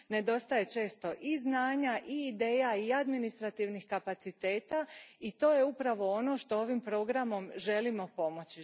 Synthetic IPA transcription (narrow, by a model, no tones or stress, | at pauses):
ne̞d̪o̞st̪aje̞t͡ʃe̞ːst̪o̞ʔiznaːɲaʔiːd̪eːjaiad̪minist̪ɾat̪iʋnixkapat̪sit̪e̞ːt̪ait̪o̞ːje̞upɾaʋo̞ono̞ʃt̪o̞oʋimpɾo̞ɡɾamo̞mʒe̞limo̞po̞mo̞t͡ɕi